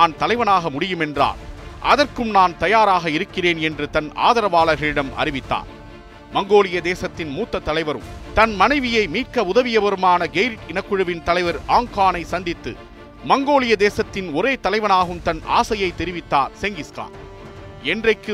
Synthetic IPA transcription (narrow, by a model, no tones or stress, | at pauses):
naːnt̪ɐlɐɪʋɐnaːɣɐmʊɽɪjɯmɛndra̰ːlʔɐ̰ðɐrkɯmnaːnt̪ɐjaːɾaːɣɐɪɾɯkːɪreːnɛndrɯt̪ɐna̰ːðɐɾɐʋaːlɐɾɣɐɭɪɽɐmɐ̰ɾɪʋɪt̪ːa̰ːn | mɐŋɡoːlɪjɐd̪eːsɐt̪ːɪnmuːt̪ːɐt̪ːɐlɐɪʋɐɾɯ̰mt̪ɐnmɐnɐɪʋɪjɐɪmiːʈkɐʊðɐʋɪjɐʋɐɾɯmaːnɐɡejɾɪʈɪnɐkːɯɻɯʋɪnt̪ɐlɐɪʋɐɾʔaːŋkaːnɐɪsɐnd̪ɪt̪ːɯ̰ | mɐŋɡoːlɪjɐd̪eːsɐt̪ːɪnɔɾeːt̪ɐlɐɪʋɐnaːɣɯmt̪ɐnʔa̰ːsɐjɐɪt̪ːɛɾɪʋɪt̪ːaːɾsɛŋɡɪska̰ːn | ɛndrɐɪkːɯ